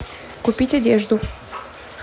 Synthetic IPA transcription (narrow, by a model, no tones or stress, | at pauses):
kʊpʲitʲɐdʲeʐd̪ʊ